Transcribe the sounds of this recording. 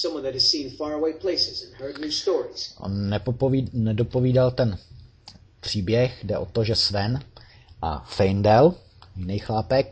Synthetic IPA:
sʌ̃mwʌ̃nðɨt̚hɨz̥sĩnfɑɹəweɪpʰl̥eɪsɪzɨ̃nhɜ˞dnustɔɹiz̥ʔo̰nːɛpopvinɛdopoviːdalt̪ɛn | pr̝̥iːbjɛxdɛʔo̞t̪oʒɛsvɛn | ʔa̰fɛjndɛl | jɪnɛjxlaːpɛk̚

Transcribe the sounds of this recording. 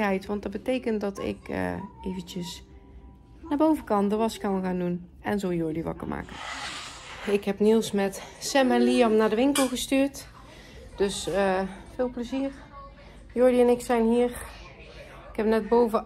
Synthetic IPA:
ɛjtʋɑntdɑt̚bətejkənt̚dɑtɪ̰kə̰ejvəntəs | naːɹbowvəkɑndəʋɑskɑnɣaːndun | ɛ̰nzowjʊɹdiʋɑ̰kə̰ɹma̰ːkə | ɪkɦɛpnilˠsmɛtsɛmɛnliɑmnaːɹdəʋɪŋkəlˠɣəstyːɹt | d̥ɵsəfɪːlˠpləziːɹ | jʊɹdiɛnɪksɛjnɦiːəɹ | ɪkɛpnɛd̚bowvə

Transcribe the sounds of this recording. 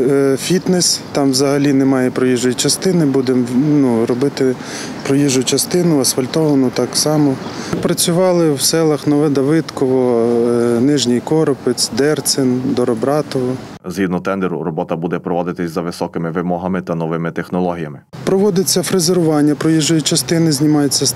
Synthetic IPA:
fʲit̪nɛst̪ɑmʋzɐɦɐlʲinɛmɑjɛpɾɔjiʒɔjit͡ʃɐst̪ɪnɪbud̪emnuɾɔbɪt̪ɪ | pɾɔjiʒʊt͡ʃɐst̪ɪnʊɐsfɐlʲt̪ɔʋɐnʊt̪ɑksɑmɔpɾɐt͡sʲʊʋɑlˠɪwsɛlˠɐxnɔʋɪd̪ɐʋɪd̪kɔʋɔ | nɪʒnʲijkɔɾɔpɪt͡sʲd̪ɛrsɪnd̪ɔɾɔbɾɑt̪ɔʋɔ | zɦid̪nɔt̪ɛnd̪eɾʊ̰rɔbɔt̪ɐbud̪ɛpɾɔʋɔd̪ɪt̪ɪsʲzɐʋɪsɔkɪmɪʋɪmɔɦɐmɪt̪ɐnɔʋɪmɪt̪exnɔlˠɔɦʲijɐmɪpɾɔʋɔd̪ɪt͡sʲːɐfɾezeɾʊʋɑnʲːɐpɾɔjiʒɔjit͡ʃɐst̪ɪnɪzʲnʲimɑjet͡sʲːɐ

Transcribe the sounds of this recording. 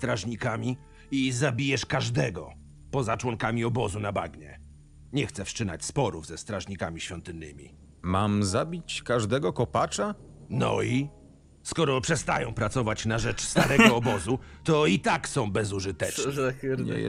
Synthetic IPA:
st̪ɾaʐɲikamʲi | izabʲijɛʂkaʐd̪ɛɡɔ̰ | pɔzat͡ʂwɔŋkamʲiɔbɔzunaba̰ɡɲɛ̰ | ɲɛxt̪sɛfʂt͡ʂɘna̰t͡ɕspɔɾuvzɛst̪ɾaʐɲikamʲiɕfʲjɔnt̪ɨnːɘ̰mʲḭ | mamzabʲit͡ɕkaʐd̪ɛɡɔkɔpat͡ʂanɔ̰i | skɔɾɔpʂɛst̪a̰jɔ̃w̃pɾat̪sɔvat͡ɕnaʐɛt͡ʂst̪aɾɛɡɔːbɔzut̪ɔit̪aksɔ̃w̃bɛzuʐɨt̪ɛt͡ʂ̪ɛɲɛ̰

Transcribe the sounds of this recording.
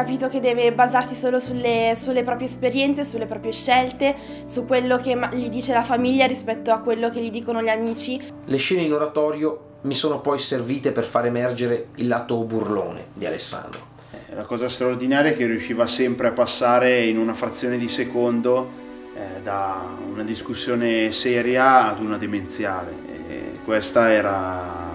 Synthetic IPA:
kːapiːt̪oked̪ːɛːvebazarsisoːlosulːesulːepɾɔːpɾjespeɾjɛnt̪sesulːepɾɔːpɾjeʃːɛlt̪e | sukːwelːokemʎid̪iːt͡ʃelafamiʎːaɾispɛt̪ːoakːwelːokeʎːid̪iːkonoʎiamiːt͡ʃi | leʃːɛːneinoɾat̪ɔːɾjo | misoːnopɔjserviːt̪eperfaːɾemɛrd͡ʒeɾeilːaːt̪oburlo̰ːnḛd̪ia̰lḛsːa̰nd̪ɾo | ɛlakɔːzast̪ɾaord̪inaːɾjakeriuʃːiːvasɛmpɾeapːasːaːɾeinunafɾat̪sːjoːned̪isekond̪o | d̪aunad̪iskusːjoːnesɛːɾjaːd̪unad̪ement̪sjaːɾḛḛkwest̪aɛːɾa

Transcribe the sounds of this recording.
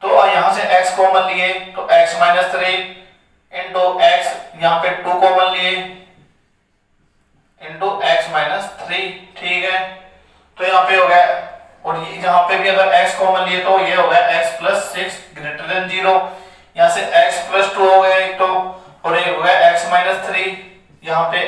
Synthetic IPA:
t̪ojɐɦãːseʔɛːkskɔːmənlieːt̪oʔɛːksmaːɪnəst̪ʰɾiː | ɪ̃ɳʈoːʔɛːksjɐɦãpeʈuːkɔːmənlieː | ɪ̃ɳʈuːʔɛːksmaːɪnəst̪ʰɾiːʈʰiːkɦɛː | t̪oːjɐɦãːpeɦoːɡjaː | ɔːɾjjɐɦãːpebiəɡ̪əɾɛːkskɔːmənlɪet̪ojeɦoːɡjaʔɛːkspləsːɪksɡɾeːʈeɾə̃nd͡ʒiːɾoː | jɐɦãːseʔɛːkspləsʈuːɦoːɡjaɪkʈoː | ɔːɾeɦoːɡjaʔɛːksmaːɪnəst̪ʰɾiː | jɐɦãːpe

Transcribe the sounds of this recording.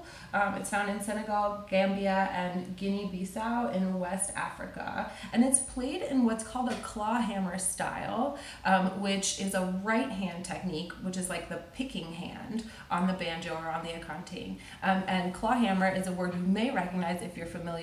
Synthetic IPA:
mɨ̰tsãʊ̃ndɨ̃nsɛñɨɡɔlˠɡæ̃mbiɨʔɨ̃nɡɪ̃nibisaʊɪ̃nðəwɛstæ̰fɹɨ̰kə̰ʔɨ̃nɨtspʰl̥eɪɾɪ̃nwʌtskʰɔlˠdɨkʰl̥ɔɦæ̃mə˞sta̰ɪlˠ | ʔwɪt͡ʃɪzəɹaɪt̚ɦæ̃ntʰɛk̚nikwət͡ʃɨzlaɪk̚ðɨpʰɪkɪ̃ŋɦæ̰̃nd | ʔn̩ðɨbæ̃nd͡ʒɨə˞ə̃nðiɨkʰɑ̃ntʰḭ | ʔʔɨ̃nkʰl̥ɑɦæ̃mə˞ʔɨzəwɜ˞d̚hʉmeɪɹɛkɨɡ̚naɪzɨfjə˞fɨmɪlˠj

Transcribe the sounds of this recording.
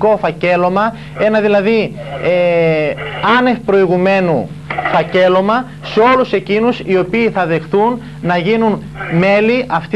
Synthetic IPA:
ko̞fɐce̞lo̞mɐ | e̞nɐðilɐði | e | ɐne̞fpɾo̞iɣume̞nu | fɐce̞lo̞mɐ | seo̞luse̞cinusio̞piːθɐðe̞xθunː | ɐʝinun | me̞liʔɐft̪i

